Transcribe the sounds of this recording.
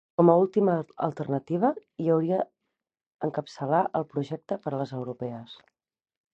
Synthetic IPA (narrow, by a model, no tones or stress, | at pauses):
kɔməulˠt̪imə̰ːlˠt̪ərnət̪iβ̞əiəwɾiə | əŋkəpsəlaʔəlˠpɾuʒɛk̚t̪əpəɾələzəwɾupɛəs